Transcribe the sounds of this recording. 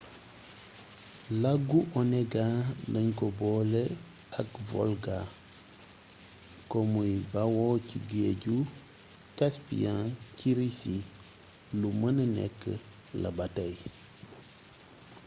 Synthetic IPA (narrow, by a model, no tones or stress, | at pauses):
laɡuʔɔneɡanəɲkobɔle | akvo̰lɡa | komujbawociɡeɟu | kaspḭjãciɾisi | lumənənɛ̰kːə̰ | la̰bataj